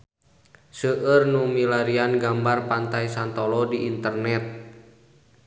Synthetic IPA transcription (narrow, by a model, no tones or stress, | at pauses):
səʔərnumilaɾianɡambarpant̪ajsant̪ɔlɔdiʔint̪ərnɛt̪̚